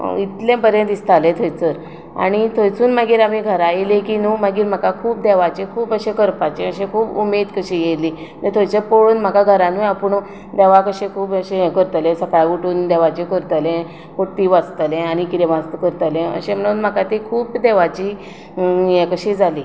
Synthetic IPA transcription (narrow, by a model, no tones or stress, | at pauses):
it̪lẽpəɾjə̃nt̪ist̪alet̪ʰəjt͡səɾ | a̰ɽ̃it̪ʰəjt͡suːnməɡiːɾamiɡʱəɾajelekiːnuməɡiːɾm̤akakʰuːp̚d̪eʋat͡ɕekʰuːpəɕekəɾpat͡ɕẽəɕẽkʰuːbumed̪kəɕiːjeliː | t̪ət̪ʰojt͡səpoɭuːnm̤əkaɡʱəɾãniapəɳ | d̪eʋakəɕekʰuːpəɕejɛ̃kəɾt̪əlẽsəkajaɡuʈuːnd̪eʋat͡ɕekəɾt̪əlẽ | kot̪iʋat͡st̪əlẽaɽ̃ikit̪ẽʋast̪kəɾt̪əlẽə̰ɕẽm̤əɽ̃uːnm̤əkat̪ikʰuːbd̪eʋat͡ɕiː | jẽkəɕid͡zʱaliː